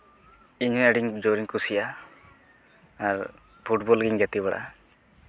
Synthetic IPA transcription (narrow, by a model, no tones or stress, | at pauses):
iɲɔ̃eɖiŋd͡ʒoɾiŋkusija | ɾ | pʰuʈbɔlɡiŋɡet̪iβaɽa̰